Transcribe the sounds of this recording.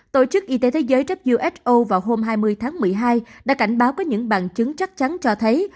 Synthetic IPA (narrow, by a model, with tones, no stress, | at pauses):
t̪o˧˩t͡ɕɨ˦˥k̚ʔi˧t̪e˨˦t̪ʰe˨˦jzəː˨˦jt͡ɕə˦˥p̚zu˧ʔɛ˦˥ʔo˧vaː˨˩wɦo˧mɦaː˧jmɨ˧əjt̪ʰaː˨˦ŋmɨ˨˩əjɦaː˧jɗa̰ː˧˥ka˧˩jŋ̟ɓaː˨˦wkɔ˨˦ɲɨ̰˧˥ŋɓa̰ː˨˩nt͡ɕɨ˨˦ŋt͡ɕa˦˥k̚t͡ɕa˨˦nt͡ɕɔ˧t̪ʰə˨˦j